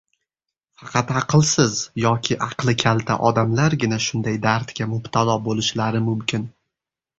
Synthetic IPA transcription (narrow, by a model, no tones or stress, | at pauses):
fɑqʰɑt̪ɑqʰɨlˠsɪzjɒkʲʰɪʔɑqlˠɪkʲʰalˠt̪ʰa̰ʔɒd̪amlaɾɡʲɪnaʃʊnd̪ajd̪aɾt̪kʲamʊbt̪ʰalˠɒbolɪʃlaɾɪmʊmkʲɪn